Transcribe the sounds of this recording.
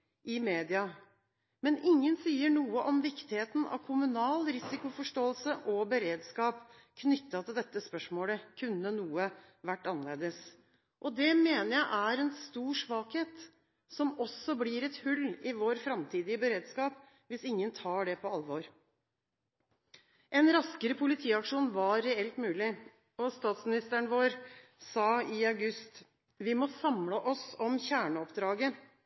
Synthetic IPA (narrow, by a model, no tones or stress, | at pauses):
ʔɪmeːd̪ɪɑ | mɛnɪŋːənsiːəɳuːəʔɔmʋɪkt̪ɪheːt̪nʔɑ̰ʋkʰʊmʉnɑːlɾɪsɪkʊfɔʂʈoːəlsəʔɔbəɾeːd̪skɑːp | kʰnʏt̪ːɑt̪ʰɪld̪ɛt̪ːəspœʂmoːləkʰʉnːənuːə | ʋæʈːɑnleːd̪əs | ʔɔd̪ɛmeːnəɾjæɪʔæɾɛnst̪uːʂʋɑːkheːt̪ | sɔmɔsɔbliːɾɛt̪hʉlːɪʋoːɾfɾɑmt̪ʰiːd̪ɪəbəɾeːd̪skɑːp | ʋɪsɪŋːənt̪ʰɑːɖɛpʰɔɑlʋoːɾ | ʔɛnɾɑskəɾəpʰʊlɪt̪ʰiːɑkʂuːnʋɑɾɛɛlt̪mʉːlɪ | ɔst̪ɑːt̪smɪnɪst̪əɳʋoːɾsɑːɪɑʉɡʉst̪ | ʋɪmɔsɑmləʔɔsɔmçæːɳəɔpd̪ɾɑːɡə